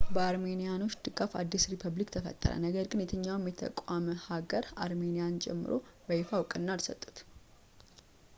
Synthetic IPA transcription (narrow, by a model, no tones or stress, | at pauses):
bəaɾme̞nijano̞t͡ʃːd̪ɨkʼafa̰d̪ːisɾipʰəβlikt̪ʰəfə̰t̪ʼːə̰ɾə̰nəɡəɾɡɨnjɛt̪ʰəɲːawmjɛt̪ʰə̰kʼaməhaɡəɾaɾme̞nijant͡ʃʼɛ̰mːɨ̰ɾo̞̰bəjɪfawkʼɨnːalsə̰t̪ʼːu̥t̪